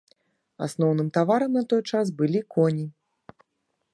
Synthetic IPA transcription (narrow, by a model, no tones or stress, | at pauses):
a̰snɔwnɨmt̪avaɾɐmnɐt̪ɔjt͡ʂas̬bɨlʲikʰɔnʲi